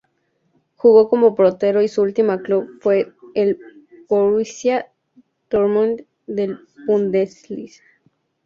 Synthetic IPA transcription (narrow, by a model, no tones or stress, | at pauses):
xuɣokomo̞pɾot̪e̞ɾoisuult̪imaklubfwe̞ːlpoɾisja | t̪oɾmõn | d̪el | pund̪eslis